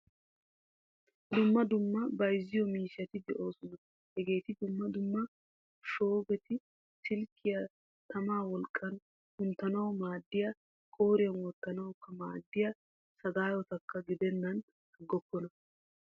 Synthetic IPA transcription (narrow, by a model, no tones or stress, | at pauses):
d̪ʊmːɐd̪ʊmːɐbɐjzːɪjɔmiːʃɐt̪ɪd̪ɛʔo̞ːsɔnɐ | hɛɡe̞ːt̪ɪd̪ʊmːɐd̪ʊmːɐ | ʃo̞ːbɛt̪ɪ | t̪ɪlkʰːɪjɐ | t̪ɐmaːwɔlkʼːɐn | hʊnt̪ːɐnɐwmaːd̪ːɪja | kʼo̞ːɾɪjɐnwɔt̪ːɐnɐwkːɐmaːd̪ːɪjɐ | sɐɡ̪aːjɔt̪ɐkːɐɡɪd̪ɛnːɐn | ɐɡːɔkːɔnɐ